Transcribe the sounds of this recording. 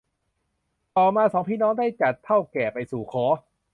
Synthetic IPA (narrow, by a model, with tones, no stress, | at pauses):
t̪ɔː˨˩maː˧sɔː˩˦ŋpʰiː˥˩nɔː˦˥ŋdaː˥˩jt͡ɕa˨˩t̪ʰːa˥˩wkɛː˨˩pa˧jsuː˨˩kʰɔː˨˦˥